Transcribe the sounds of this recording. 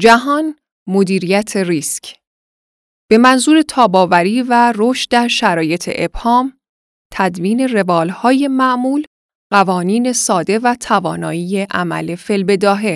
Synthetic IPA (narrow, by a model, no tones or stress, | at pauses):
d͡ʒæɦɒːn | mo̞d̪iːɾijæt̪ʰe̞riːscʰ | b̥e̞mænzuːɾe̞t̪ʰɒːbɒːvæɾiːværoʃt̪d̪æɾʃæɾɒːje̞t̪ʰḛʔeb̥hɒːm | t̪ʰæd̪viːne̞re̞vɒːlhɒːje̞mæʔmuːl | ɢævɒːniːne̞sɒːd̪e̞væt̪ʰævɒ̰ːnɒːiːje̞ʔæmæ̰le̞fe̞lbe̞d̪ɒːɦe̞